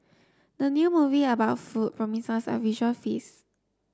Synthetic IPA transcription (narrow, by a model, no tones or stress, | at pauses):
dənjumuviəbaʊtfut̚pʰɹɔmĩsəsə̰viʒuəlfis